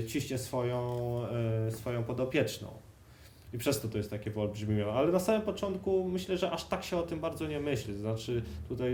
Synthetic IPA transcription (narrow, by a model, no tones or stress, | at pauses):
t͡ɕiɕɲɛsfɔjɔ̃w̃ | sfɔjɔ̃w̃pɔd̪ɔpʲjɛt͡ʂnɔ̰̃w̃ | ipʂɛst̪ɔt̪ɔjɛst̪ːakʲɛvɔlbʐmʲijɔ̃alɛnasamɘmpɔt͡ʂɔnt̪kumɘɕlɛʐɛʔaʂt̪akɕɛɔt̪ɘmbaɾd̪zɔɲɛmɘɕlɛznat͡ʂɘt̪ut̪aj